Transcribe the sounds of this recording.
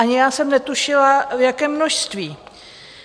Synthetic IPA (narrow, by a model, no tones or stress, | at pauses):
aɲɪjaːsɛmnɛt̪uʃɪlavjakɛːmːnoʃst̪viː